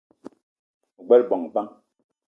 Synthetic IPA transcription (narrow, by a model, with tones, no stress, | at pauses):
u˨ɡ͡bɛ˦lbɔ˨ŋ˨ba˦ŋ